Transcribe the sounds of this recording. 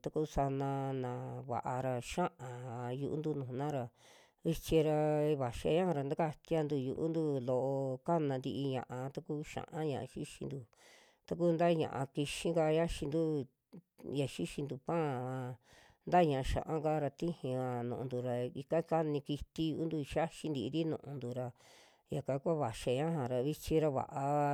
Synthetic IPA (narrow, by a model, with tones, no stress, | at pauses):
t̪a˦ku˦sa˧nã˧nã˨βa̰˨ʔa˧ɾa˧ʃã˦ʔã˨jṵ˧ʔu˦nd̪u˦nũ˨˧nã˦ɾa˧ | i˧t͡ʃi˧ɾa˧βa˨ʃi˧a̰˧ɲã˦ʔɾa˧˨nd̪a˦ka˧t̪ja˧nd̪u˧jṵ˧ʔṵ˦nd̪u˦lo˨ʔo˧ka˦nã˧nd̪i˧ʔi˧ɲã̰˧˨ʔã˧t̪a˦ku˦ʃã̰˨ʔã˦ɲã˨ʔa̰˧ʃi˦ʃḭ̃˧nd̪u˧ | t̪a˧k̬u˦˧nd̪a˦˧ɲã̰˨ʔa̰˧ki˧ʃĩ˦ɡa˧ja˦ʃi˧nd̪u˦ | ja˨ʃi˦ʃĩ˧nd̪u˧pã˦˨ã˧ | nd̪a˦ɲã˨a˧ʃã̰˨ʔã˦ɡa˦ɾa˧t̪ĩ˦hĩ˧a˧nũ˨ʔũ˧nd̪u˨ɾa˧i˧ka˦ka˦nĩ˧ki˧t̪i˦juu˦nd̪u˧ʃa˦ʃi˧nd̪i˧i˧ɾi˦nũ˧ʔũ˧nd̪u˧ɾa˧ | ja˨kã˧˦kʷa˦βa˨ʃa˧ɲã˦ɦã˨ɾa˧βi˧t͡ʃĩ˧ɾa˧βa̰˨ʔa˧